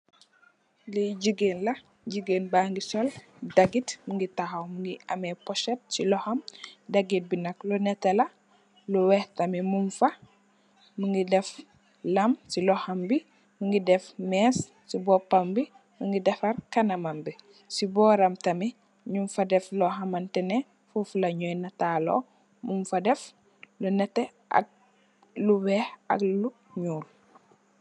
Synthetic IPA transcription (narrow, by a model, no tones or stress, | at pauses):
liɟuɡeːnlɐ | ɟiɡeːnbaŋɡisɔl | dɐɡitmuŋɡitahawmuŋɡiɐ̰mɛpɔʃɛt̚silɔhɐmdɐɡit̚binɐklɔnɛtɛlɐ | luwɛhtɐmimuɱfɐ | muŋɡidɛf | lɐmsilɔhɐmbi | muŋɡidɛfmɛːs | sibɔpambi | muŋɡidɛfɐɾkanɐmambi | sibɔːɾɐmtɐmi | ɲumfadɛflɔɦamantɛnɛ | fufulɐɲojnɐtaːlo̰ː | mumfadɛf | lunɛtːɛ | ʔa̰ɡ̚ | luwɛːhɐ̰ɡlu | ɲuːl